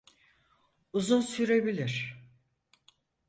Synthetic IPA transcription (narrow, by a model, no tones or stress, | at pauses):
uzunsyɾebilʲiɾ̥